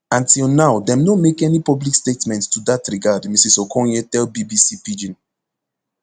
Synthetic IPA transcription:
ãntilˠnaʊdɛ̃mnomekɛnipɔblikstetmɛ̃ntstudatɹiɡadmisisokʰɔ̃njɛtɛlbibisipid͡ʒĩn

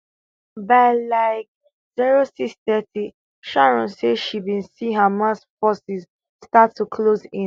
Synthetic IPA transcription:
baɪlaɪk̚ | ziɹosiksθɛti | ʃaɹɔ̃nseʃibĩnsiɦamasfɔsiz | statːukʰlozĩ

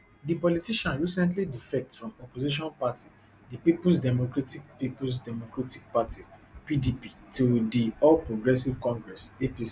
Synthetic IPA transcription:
dipɔlitiʃãnɹisɛ̃nt̬lidifɛk̚tfɹɔ̃mɔpoziʃ̬ɔ̃npati | dipipus̬dɛmokɹatik̚pipus̬dɛmokɹatik̚patʰipidipitudiɔlpɹoɡɹɛsivkɔ̃ŋɡɹɛsepis

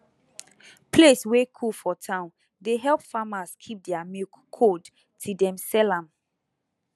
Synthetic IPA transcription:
pʰleswekʰulfɔtʰãʊ̃n | deɦɛlpfamaskʰip̚dɛamikʰːod | tʰidɛ̃msɛlãm

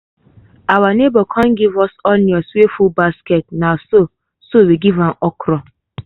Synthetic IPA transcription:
awanebɔkʰãnɡivɔsɔnjɔswefulbasket̚naso | sowiɡivãmɔkɾɔ

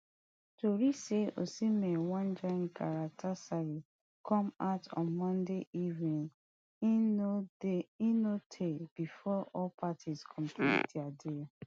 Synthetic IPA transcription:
toɹiseo̰simewɔ̃nd͡ʒɔ̃nkaɹak̚tʰasai | kʰɔ̃matɔ̰̃nmɔ̃ndeʔivnĩn | inotʰeb̥ifɔɔlpʰatʰiskʰɔ̃mpʰlḭdiade

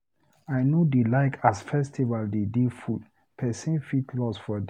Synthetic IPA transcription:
ajnodelaɪkʰasfɛstivaldedefud̚ | pʰɛsĩnfitʰlɔsfɔd

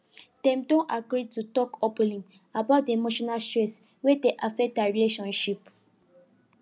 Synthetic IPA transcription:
tɛ̃mtõʔaɡɾitutɔkɔplĩŋ | abaʊt̚demoʃɔnalstɹɛs | wedeʔafɛk̚taɹileʃɔ̃nʃip

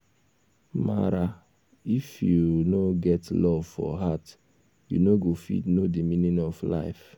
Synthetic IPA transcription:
ma̰ɾa | ifjunoɡɛtlɔvfɔ̰ɦat | jṵnoɡofḭdnodimĩnĩnɔfla̰ɪf

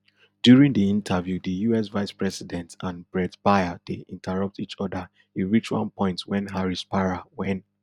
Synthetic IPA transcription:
d̥juɹĩŋdiĩntʰəvjudəjuɛsvaɪspɹɛsidɛ̃ntãnbɹɛdb̥aɪad̥eʔĩntʰəɹʌp̚tit͡ʃɔdə | ĩnɹit͡ʃuã̰npɔ̃ɪ̃ntwɛ̃nɦaɹispaɹawɛ̃n

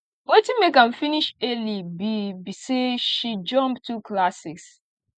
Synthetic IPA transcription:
wetĩmekãmfiniʃelibibiseʃid͡ʒɔ̃mptuklasɪs

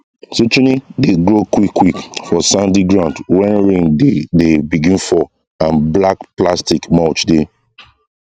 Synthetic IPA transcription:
sot͡ʃunideɡɹokwikwikfɔsãndiɡɹãndwɛ̃nɹẽŋdedebiɡĩnfɔ | ãnblakplastikmaʊt͡ʃde

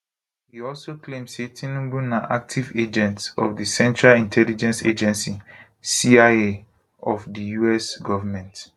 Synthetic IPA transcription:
hiɔlsoklẽmsetʰĩnũbũnaʔak̚tʰived͡ʒɛ̃ntɔ̰fdisɛ̃nt͡ʃɹalĩntʰɛlid͡ʒɛ̃nsḛd͡ʒɛ̃nsi | siae | ɔfdijuɛsɡɔvamɛ̃nt

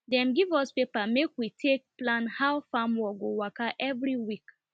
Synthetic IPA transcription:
dɛ̃mɡivɔspepamekwitʰek̚plãnhawfamwɔɡowakaʔɛvɹiwik

